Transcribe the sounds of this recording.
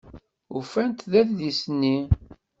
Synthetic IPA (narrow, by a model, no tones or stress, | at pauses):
ufænt̪ðæθðisnːi